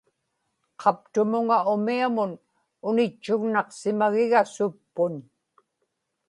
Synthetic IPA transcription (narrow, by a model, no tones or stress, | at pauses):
qʰɑp̚t̪ʊmʊŋaʊmiamʊn | ʊnɪt͡ʃːʊɣnɑqsɪmaɣɪɣasʊpːʊn